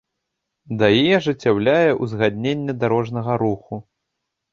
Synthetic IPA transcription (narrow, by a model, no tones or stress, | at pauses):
d̪ɐjijɛʐɨt͡sʲːawlʲajɛʔuzɣad̪ʲnʲenʲːɛd̪aɾɔʐnɐɣɐɾuxu